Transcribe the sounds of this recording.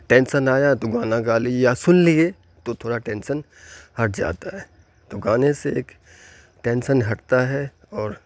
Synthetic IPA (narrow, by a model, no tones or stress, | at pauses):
ʈẽːnʃənaːjat̪oɡaːnaɡaːlijasʊnlie | t̪ot̪ʰoːɽaʈɛ̃ːnʃən | hɐʈ̚d͡ʒa̰ːt̪aɦɛː | t̪oɡaːneseeːk | ʈẽːnʃənɦɐʈt̪aɦɛ | ɔːɾ